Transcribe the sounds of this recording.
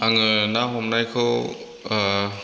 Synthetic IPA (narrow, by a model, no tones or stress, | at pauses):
aŋɯnaɦɔmnajkʰɯw